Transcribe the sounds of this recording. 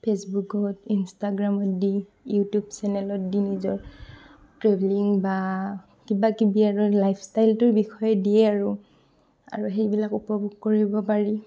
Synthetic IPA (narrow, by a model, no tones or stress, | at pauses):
pʰesbukɔtinstaɡɹamɔtdi | jutjubsɛnɛlɔt̚dinizɔɹ | tɹebliŋba | kibakibiaɹulajpʰstajltʊɹbixʰɔjɛdijɛaɹʊ | a̰ɹuɦejbilakupɔbʱuɡ̚koɹibɔpaɹi